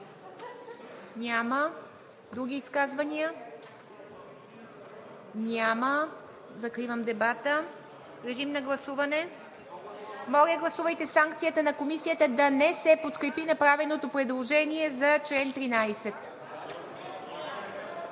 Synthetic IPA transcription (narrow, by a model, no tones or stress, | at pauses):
nʲamə | d̪ɾuɡʲiːskazvɐniə | nʲamə | zɐkɾivəmd̪ɛbat̪ə | ɾɛʒimnɐɡlˠɐsuvɐnɛ | mɔlʲəɡlˠɐsuvəjt̪ɛsaŋkt̪sijət̪ənɐkomisijət̪əd̪ɐnɛsɛpot̪kɾɛpinɐpɾavɛnot̪opɾɛd̪lˠoʒɛniɛzɐt͡ʃlɛnt̪ɾinajsɛt̪